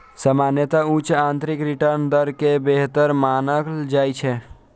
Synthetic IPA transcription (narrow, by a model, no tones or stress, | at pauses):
səmaːnjət̪aut͡ʃãːnt̪ɾɪkɾɪʈəɾnd̪əɾkebeɦt̪əɾmaːnəkd͡ʒaːit͡ʃʰɛ